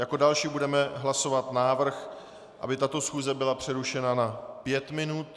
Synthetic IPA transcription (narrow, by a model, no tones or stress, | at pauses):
jako̞dalʃiːbudɛmɛɦlaso̞vat̪naːvr̩x | ʔa̰bɪt̪at̪o̞sxuːzɛbɪlapr̝̥ɛɾuʃɛnanapjɛt̪mɪnut̪